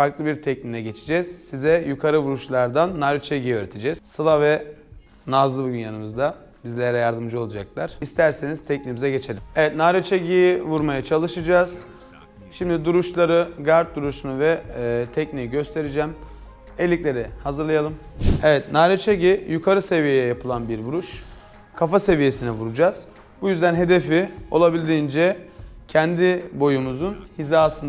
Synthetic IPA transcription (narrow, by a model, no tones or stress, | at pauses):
faɾklˠɯbiɾt̪ʰɛc̚ninɛɟet͡ʃʰi̥d͡ʒɛz̥sizɛjukʰaɾɯvuɾuʃlˠaɾd̪anːaɾot͡ʃʰeɟijøːɾet̪ʰed͡ʒɛz̥sɯlˠavɛ | nazlˠɯbuɟynjanɯmɯzd̪a | bizlʲeɾɛjaɾd̪ɯmd͡ʒɯo̞lˠad͡ʒak̚lˠaɾ̥ist̪ʰæɾsenizt̪ʰɛc̚nimizɛɟe̞t͡ʃʰe̞lʲimevɛt̪naɾot͡ʃʰeɟijivuɾmajat͡ʃʰalˠɯʃɯd͡ʒaːz | ʃimd̪id̪uɾuʃlˠaɾɯɡaɾt̪̚d̪uɾuʃunuvɛt̪ʰɛcnijiɟø̞st̪ʰe̞ɾid͡ʒɛːm | elʲːiclʲe̞ɾihazɯɾlˠajalˠɯmevɛt̪naːɾet͡ʃʰeɟijukʰaɾɯse̞vijejɛjapʰɯlˠanbiɾbuɾuʃ | kʰafase̞vije̞sinɛvuɾud͡ʒaːz̥ | bujyzd̪ænɦe̞d̪e̞fio̞lˠabilʲd̪iːnd͡ʒɛcʰɛnd̪ibo̞jumuzunhizaːsɯn